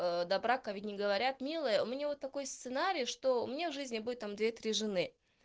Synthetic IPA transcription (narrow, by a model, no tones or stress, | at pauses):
əd̪ɐbɾakɐvʲid̪ʲnʲɪɡəvɐɾʲat̪mʲilˠəjəʊmʲɪnʲavo̞t̪ːɐko̞jst̪sɨnaɾʲijʂt̪o̞ʊmʲɪnʲavʐɨzʲnʲɪbudʲʊt̪ːamd̪vʲet̪ɾʲiʐɨnɨ